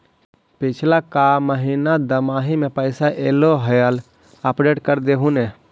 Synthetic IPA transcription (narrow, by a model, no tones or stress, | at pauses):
pit͡ʃʰlakaməɦinad̪əmaɦimepəɪsaʔeloɦəjəl | əpɖeʈkəɾd̪eɦune